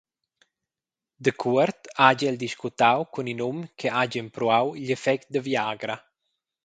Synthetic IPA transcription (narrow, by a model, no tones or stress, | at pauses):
d̪əkʰuəɾt̪aɟɛld̪iʃkut̪awkuninumkʰeaɟəmpɾuawʎefɛk̚t̪̚d̪əvjaːɡɾa